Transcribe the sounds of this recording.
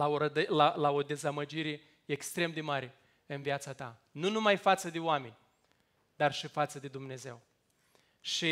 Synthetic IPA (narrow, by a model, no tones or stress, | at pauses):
laoɾəd̪əlalao̞d̪e̞zaməd͡ʒiɾe̞ | ekst̪ɾe̞md̪e̞maɾe̞ | ɨnviat̪sat̪a̰nunumajfat̪səd̪e̞oame̞nʲ | d̪arʃifat̪səd̪e̞d̪umne̞ze̞w | ʃi